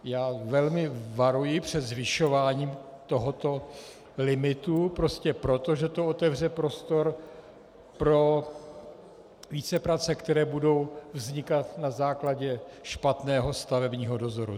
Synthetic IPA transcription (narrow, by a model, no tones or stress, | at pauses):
jaːvɛlmɪvaɾujɪpr̝̥ɛt̪zvɪʃo̞vaːɲiːmt̪o̞ɦot̪o̞ | lɪmɪt̪upɾo̞scɛpɾo̞t̪o̞ʒɛt̪oot̪ɛvr̝ɛpɾo̞st̪o̞ɾ | pɾo̞ | viːt͡sɛpɾat͡sɛkt̪ɛɾɛːbudo̞wvzɲɪkat̪nazaːklaɟɛʃpat̪nɛːɦo̞st̪avɛbɲiːɦo̞do̞zo̞ɾṵ